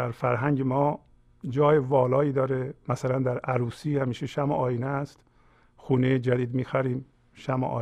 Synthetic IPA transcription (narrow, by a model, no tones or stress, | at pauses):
æɾfæɾɦæɲɟemɒː | d͡ʒɒːjevɒːlɒːiːd̪ɒːɾemæsælænd̪æɾʔæɾuːsiːhæmiːʃeʃæmoʔɒːjinæst̪ | xuːnejed͡ʒæd̪iːd̪miːxæɾiːm | ʃæmo̰ʔɒ̰ː